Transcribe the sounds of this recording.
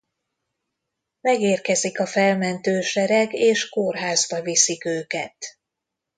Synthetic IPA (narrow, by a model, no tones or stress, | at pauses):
mɛɡeːrkɛzikɒfɛlmɛnt̪øːʃɛɾɛɡeːʃkorɦaːzbɒvisikøːkɛt̪